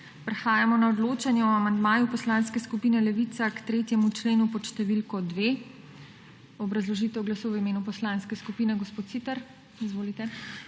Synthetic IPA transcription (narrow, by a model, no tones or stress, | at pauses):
pɾɛxaːjamɔnaɔd̪loːt͡ʃanjɛɔamand̪maːjupɔslaːnskɛskupiːnɛlɛʋit̪sakt̪ɾeːt̪jɛmut͡ʃleːnupɔʃt̪ɛʋilkɔd̪ʋeː | ɔbɾazlɔʒiːt̪ɛwɡlasuwʋimeːnupɔslanskɛskupiːnɛɡɔspoːt̪sit̪ɛɾ | izʋoːlit̪ɛ